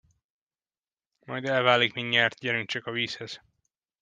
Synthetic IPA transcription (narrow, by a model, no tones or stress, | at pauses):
mɒjd̪ɛlvaːlikmiɲːaːrt̪̚ɟɛɾyŋt͡ʃɒkɒviːshɛz̥